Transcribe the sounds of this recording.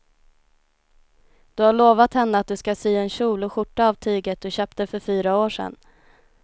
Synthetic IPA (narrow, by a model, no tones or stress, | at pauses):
d̪̥ɵhaɭoːvat̪hɛnːəat̪̚d̪ɵskasyːɛnɕuːlʊɧʊʈːaːvt̪ʰyːɡət̪̚d̪ɵɕøːp̚t̪d̪ɛfœɾfyːɾaoːʂɛ̰n